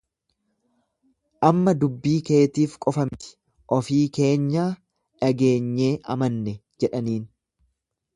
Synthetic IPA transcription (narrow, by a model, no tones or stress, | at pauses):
ʔɐmːɐd̪ʊbːiːke̞ːt̪iːfkʼɔfɐmt̪ɪ̥ | ʔɔfiːke̞ːɲːaː | ᶑɐɡe̞ːɲːe̞ːʔɐ̰mɐnːɛd͡ʒɛᶑɐniːn